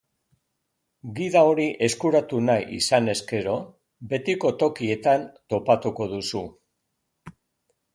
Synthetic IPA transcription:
ɡiðao̞ɾiʔe̞skuɾat̪unajʔḭsane̞ske̞ɾo̞ | be̞t̪iko̞t̪o̞kie̞t̪ant̪o̞pat̪uko̞ðusu

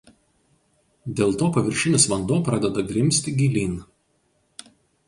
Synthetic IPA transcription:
d̪ʲeːlˠt̪oːpɐʋʲɪɾʲʃʲɪnʲɪsʋɐnd̪oːpɾɑd̪ʲɛd̪ɐɡɾʲɪmʲsʲt̪ʲɪɡʲilʲiːn

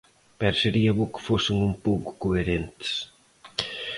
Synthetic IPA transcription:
pɛɾseɾiɐβokɪ̥fosɪŋumpowkʊ̥koeɾent̪ɪ̥s

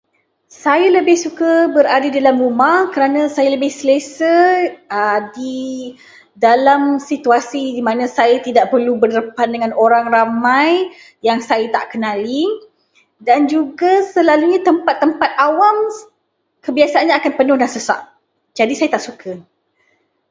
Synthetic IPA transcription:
sajələbɪhsukəbəɾadadidalamrumahkəɾanasajaləbɪhsələsəədi | dalamsit̪uasidimãnãsajət̪idaʔpərlubərdəpandəŋãnoɾaŋramaj | jaŋsajət̪aʔkənali | dand͡ʒuɡasəlaluɲat̪əmpat̪ːəmpat̪̚awam | kəbiasaanɲaːkanpənʊhdansəsa̰ʔ̚ | d͡ʒadisajat̪aʔsukʰə

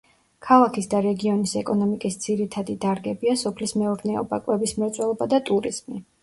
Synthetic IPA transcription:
kʰalˠakʰisd̪aɾɛɡiɔnisɛkʼɔnɔmikʼisd̪ziɾit̪ʰad̪id̪aɾɡɛbiasɔpʰlismɛɔɾnɛɔ̰bakʼwɛbismɛɾt̪sʼwɛlˠɔbad̪at̪ʼuɾiz̥mi

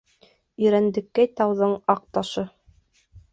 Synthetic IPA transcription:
ɵ̆ɾænd̪ɘ̆kːæjt̪ɑwðɤɴɑq̚t̪ɑʃɤ

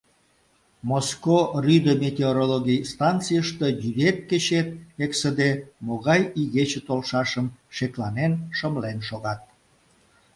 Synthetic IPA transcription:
moskoryd̪əmʲet̪ʲeoɾoloɣijst̪ɑnt͡sijəʃt̪əjyd̪et̪̚ket͡ɕet̪̚eksəd̪emoɣɑjiɣet͡ɕət̪olʃɑʃəmʃeklɑnenʃəmlenʃoɣɑt̪̚

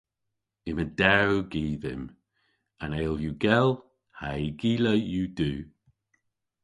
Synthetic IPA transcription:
ɪmədɛɹuɡiːðɪ̰m | aneːljuːɡɛlˠ | haiɡiːləjuːd̥uː

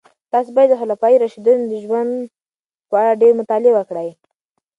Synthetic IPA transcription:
t̪ɑsebɑjad̪ːəxʊlafɑjiɾaʃid̪und̪əʒwand̪ | pəaɽaɖeɾmʊt̪ɑlɪebwəkɽaj

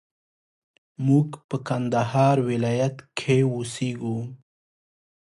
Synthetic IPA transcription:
muɡpəkand̪ahɑɾwɪlɑjat̪kʰeuseɡu

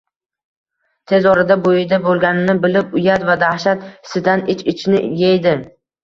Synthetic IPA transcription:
t̪ʰe̞zɒɾɪd̪abojɪd̪abolˠɡʲanɪnɪbɪlɪpʊjat̪vad̪ahʃat̪ɪ̥sɪd̪anɪt͡ʃɪt͡ʃʰnɪ̰jejd̪ɪ

